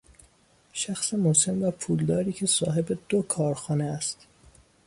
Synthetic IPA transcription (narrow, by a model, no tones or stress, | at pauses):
ʃæxsemose̞mvæpʰuːld̪ɒːɾiːcʰe̞sɒːɦe̞be̞d̪̥okʰɒːɾxɒːneæst̪